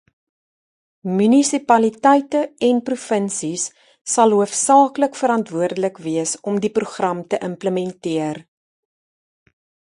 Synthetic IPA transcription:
mynisipɐlitɛjtəɛnprufənsisː | ɐlˠɦuəfsɑːkləkfəɾɐntvuərdələkviəsɔmdipruχrɐmtəʔəmpləmɛntiər

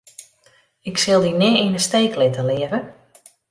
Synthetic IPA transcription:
ɪksɪlˠdinɪinəsteːklɪtəlɪəvə

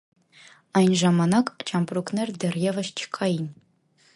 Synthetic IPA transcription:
ɑjnʐɑmɑnɑkt͡ɕʰɑmpruknerd̪erjevɘʃt͡ɕʰkʰːɑjinʲ

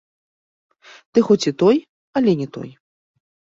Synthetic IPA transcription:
t̪ɨxɔt͡sʲit̪ɔj | ɐlʲɛnʲɛt̪ɔ̰j

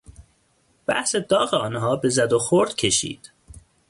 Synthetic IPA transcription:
b̥æ̰hse̞d̪ɒːɣeɒːnɦɒːbe̞zæd̪oxoɾd̪̥cʰe̞ʃḭːd̪̥

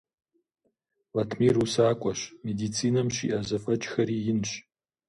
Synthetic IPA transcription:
latʰmiːrusaːkʷʼɐɕmedit͡sʰiːnɐmɕḭʔɐzɐfʼɐt͡ʃʼxɐɾiːjɪnɕ

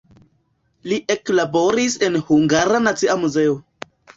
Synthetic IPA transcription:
liʔe̞klabo̞ɾise̞nhuŋɡaɾanat͡siamuze̞o

